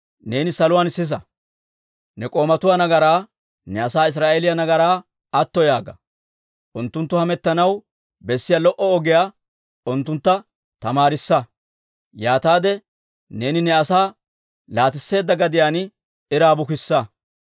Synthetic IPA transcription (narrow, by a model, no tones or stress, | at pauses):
ne̞ːnɪsɐlʊwaːnsɪs̬ɐ | nɛkʼo̞ːmɐt̪ʊwaːnɐɡɐɾaː | nɛɐsaːɪs̬ɾaːʔelɪjɐnɐɡɐɾaː | ɐt̪ːɔjaːɡɐ | ʔʊnt̪ːʊnt̪ːʊhɐmɛt̪ːɐnɐw | bɛsːɪjɐlɔʔɔɔɡɪjaː | ʊnt̪ːʊnt̪ːɐ | t̪ɐmaːɾɪsːɐ | jaːt̪aːd̪ɛ | ne̞ːnɪnɛɐsaː | laːt̪ɪsːe̞ːd̪ːɐɡɐd̪ɪjaːn | ɪɾaːbʊkɪsːɐ